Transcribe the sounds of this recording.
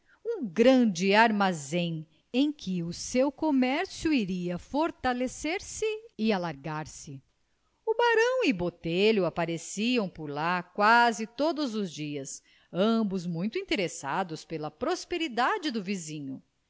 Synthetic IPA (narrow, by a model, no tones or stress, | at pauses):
ũɡɾɐ̃d͡ʒɪaɾmazẽj̃ | ẽj̃kʰɪʊsewkomɛɾsjʊiɾiɐfoɾt̪aleseɾsɪɪalaɾɡaɾsɪ | ʊbaɾɐ̃w̃ɪbot̪eʎʊapaɾesiɐ̃w̃pʊɾlakwazɪt̪od̪ʊzʊzd͡ʒiɐs | ɐ̃bʊzmũj̃t̪ʊĩt̪eɾesa̰d̪ʊspelɐpɾospeɾid̪ad͡ʒɪd̪ʊvizĩɲʊ